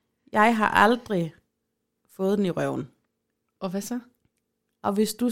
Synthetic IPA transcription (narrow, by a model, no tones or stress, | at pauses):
jɑ̈ɪɦɑ̈ʔɑld̥ʁi | fɔ̽ːð̩ˠd̥eniʁœʊn̩ | ʔɒʋæsɒ | ʔɒ̽ʋe̝sd̥u